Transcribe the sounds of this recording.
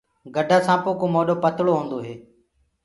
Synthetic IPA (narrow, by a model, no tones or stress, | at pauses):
ɡəɖʱaːsãːpoːkoːmoːɗoːpət̪ɭoːɦõːnd̪oːɦeː